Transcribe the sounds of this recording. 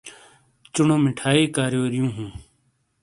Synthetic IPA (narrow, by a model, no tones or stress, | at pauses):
t͡ʃʊɳõːmɪʈʰaːiːkaːɾjoːɾɪjũːɦũː